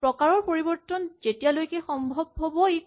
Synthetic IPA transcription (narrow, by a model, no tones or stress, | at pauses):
pɹɔkaɹɔɹpoɹibɔɹtɔnzetijalojkɛxɔmbʱɔb̚ɦobɔe